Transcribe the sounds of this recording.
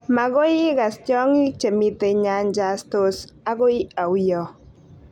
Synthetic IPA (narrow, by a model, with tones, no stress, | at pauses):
ma˨ɣo˦i˦ɣa˨stjɔ˦ŋi˦t͡ʃe˨mit̪e˨ɲa˨nd͡ʒast̪osa˦ɣo˦ji˦a˨wjɔ˨